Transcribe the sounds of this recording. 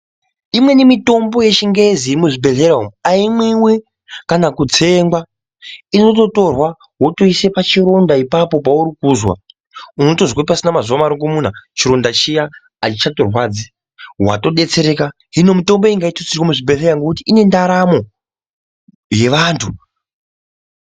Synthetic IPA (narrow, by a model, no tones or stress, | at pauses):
imwe̞nimito̞mbo̞je̞t͡ʃiŋɡe̞zimuʐibʱe̞ɮeɾaɦumuaimwiwe | kanakud͡ze̞ŋɡwa | ino̞to̞to̞rwa | woto̞ise̞pat͡ʃiɾo̞ndaipapo̞pauɾikuzwa̰ | uno̞to̞zwapasinamazuʋamaɾoŋɡomun̤at͡ʃiɾo̞ndat͡ʃijaː | t͡ʃit͡ʃato̞rwaːd͡zi | wa̰to̞ɗe̞t͡se̞ɾe̞ka | ɦino̞muto̞mboeiŋɡaitot͡sirwomuʐibeɮeɾaŋɡokutiine̞ndaɾamo̞ | je̞ʋaːntʰu